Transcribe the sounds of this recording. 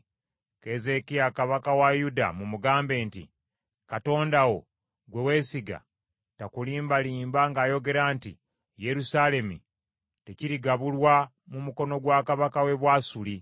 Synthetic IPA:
ke̞ze̞kijakaβakawajuda̰mumuɡaːmbe̞ːntḭ | kato̞ːndawo̞ | ɡwe̞weːsiɡa̰ | takuliːmbaliːmbaŋɡaːjo̞ɡe̞ɾaːnti | je̞ɾusale̞mṵ | te̞ciɾiɡaβulwa | mumuko̞no̞ɡwaːkaβakawe̞βwaːsuli

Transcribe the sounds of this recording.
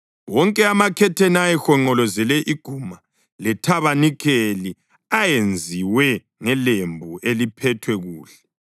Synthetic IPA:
wɔŋkʼɛamakʰɛtʰɛnajɛxɔŋ͡ǃɔlɔzɛlɛʔiɡ̥ʱuːma | lɛtʰaβanikʰeli | ajend͡zʱiwɛ | ŋɛlembʱuʔelipʰɛtʰwɛɣuːɬɛ̥

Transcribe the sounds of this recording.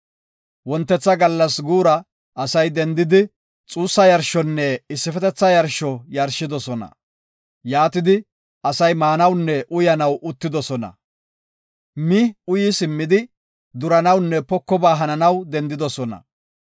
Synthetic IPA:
wɔnt̪ːɛt͡sːɐɡɐlːɐsɡuːɾɐ | ɐsɐjd̪ɛnd̪ɪd̪ɪ | t͡sʼuːsːɐjɐɾʃɔnːɛɪsːɪfɛt̪ɛt͡sːɐjɐɾʃɔjɐɾʃːɪd̪ɔsɔnɐ̰ | jaːt̪ɪd̪ɪ | ɐsɐjmaːnɐwnːɛʔʊjɐnɐwʔʊt̪ːɪd̪ɔsɔnɐ̰ | mɪʊjɪsɪmːɪd̪ɪ | d̪ʊɾɐnɐwnːɛpɔkːɔbaːɦɐnɐnɐwd̪ɛnd̪ɪd̪ɔsɔnɐ̰

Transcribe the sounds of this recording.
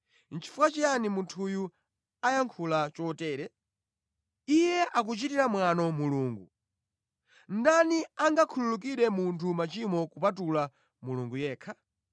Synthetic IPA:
n̩t͡ʃʰi̥fuat͡ʃijanimuntʰuju | ajaŋkʰulat͡ʃɔtɛːɾɛ | ijɛʔak̬ut͡ʃitiɾamwanɔmuluːŋɡu | n̩daniaŋɡakʰululuk̬iɗɛmuntʰumat͡ʃimɔkupat̬ula | muluŋɡujɛːkʰa

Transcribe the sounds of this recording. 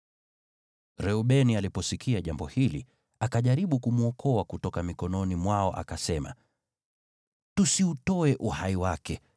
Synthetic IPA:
ɾɛuɓɛnialipɔsikʰiaʄambɔhilḭ | akaʄaɾiɓukumuɔkʰɔakutɔkamikɔnɔnimwaɔʔa̰kasɛma̰ | tusiutɔɛʔuhaiwakɛ

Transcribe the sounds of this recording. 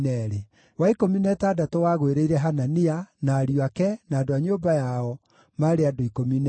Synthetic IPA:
nɛɾe | waikominɛtadatowaːɣweɾeiɾɛɦananianaɾioakɛnaːdoaɲobajaɔ | maɾeadoikominɛ

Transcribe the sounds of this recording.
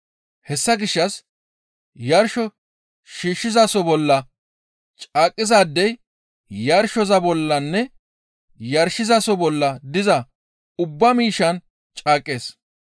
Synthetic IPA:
hɛsːɐɡɪʃːɐs | jɐɾʃɔ | ʃiːʃːɪzasɔbɔlːɐ | t͡ʃʼaːkʼːɪzaːd̪ːɛj | jɐɾʃɔzɐbɔlːɐnːɛ | jɐɾʃɪzasɔbɔlːɐd̪ɪzɐ | ʊbːɐmiːʃɐn | t͡ʃʼaːkʼːeːs

